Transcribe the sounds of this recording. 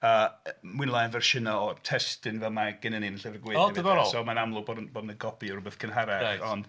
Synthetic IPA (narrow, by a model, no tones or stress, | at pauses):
əmwɪnlˠanvɛrʃɪnɔɔtʰɛstɪnvɛlˠmaɡ̥ɪnənimənɬɛvəɡweːdəvɔɾɔlˠsɔːmanamlˠʊbɔdnb̥ɔdnəɡɔpʰiɔɾʊbəθkʰənɦaɾaaɔnd̥